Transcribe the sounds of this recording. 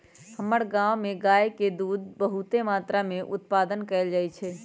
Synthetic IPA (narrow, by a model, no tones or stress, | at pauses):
həməɾɡãwmeɡaːjked̪uːd̪̚bəɦut̪emaːt̪ɾameʔʊt̪̚paːd̪ənkəɪld͡ʒaːjt͡ʃʰɛ